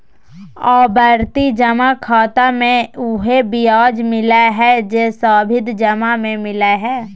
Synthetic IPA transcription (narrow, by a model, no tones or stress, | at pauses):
ɔːbəɾt̪id͡ʒəmakʰaːt̪amẽʊɦebɪjaːd͡ʒmɪlaɦɛd͡ʒesaːbʱɪd̪d͡ʒəmamẽmɪlaɦɛː